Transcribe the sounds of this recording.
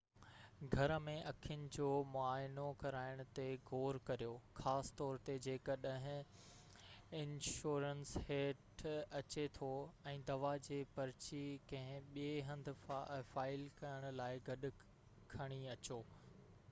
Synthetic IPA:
ɡʱɐɾəmẽʔɐkʰijʊnɪ̆d͡ʑoːmʊaːɪnokɐɾaːɪɽ̃ʊ̆t̪eɡʱoːɾkɐɾijoːxaːsɪ̥t̪ɔːɾt̪ed͡ʑeːkəɗɐ̃ɦɪ̃ | ɪnʃuːɾənsheːʈɐt͡ɕet̪ʰoɛ̃ːd̪ɐʋad͡ʑeːpɐɾɪt͡ɕikɐ̃ɦɪ̃ɓieɦɐ̃nd̪ʱʊfaːɪlkɐɾəɽ̃ʊlaːɪɡɐɗʊ̆ | kʰɐɽ̃iɐt͡ɕoː

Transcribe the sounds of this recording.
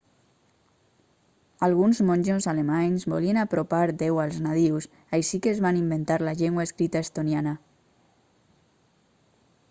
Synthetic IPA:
alɣunzmonʲʒonzalemaɲzβolienapɾopaɾd̪ewalˠznaðiws | ajʃikeːzβanimbent̪aɾlaʎeŋɡwaeskɾit̪aest̪onjana

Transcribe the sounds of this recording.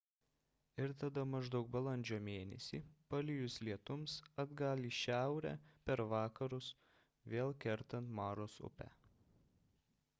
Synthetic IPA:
ɪɾt̪ɐd̪ɐmɐʒd̪ɐʊk̚bɐlˠɐnʲd͡ʒʲoːmʲeːnʲɛ̰sʲḭːpɐlʲɪjʊslʲiɛt̪ʊmsɐd̪ɡɑlʲiːʃʲæˑʊɾʲæ̰ːpʲɛɾʋɑːkɐɾʊs | ʋʲeːlˠkʲɛɾt̪ɐnt̪mɑːɾoːsʊ̰pʲæ̰

